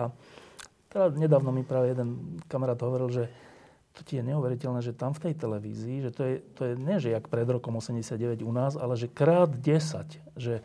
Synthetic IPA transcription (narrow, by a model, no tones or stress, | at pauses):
a | t̪ɛd̪aɲɛd̪aːʋnɔmipɾaːʋɛjɛd̪ɛnkamaɾaːd̪ɦɔʋɔɾilʒɛ | t̪ɔ̥cijɛɲɛuʋɛɾicɛlnɛːʒɛt̪amft̪ɛjt̪ɛlɛʋḭːziːʒɛt̪ɔjɛt̪ɔjɛɲɛʒɛjakpɾɛd̪ɾɔkɔmɔsɛmɟɛsɪd̪ɟɛʋɛɟunaːzalɛʒɛkɾaːd̪ɟɛsa̰c | ʒɛ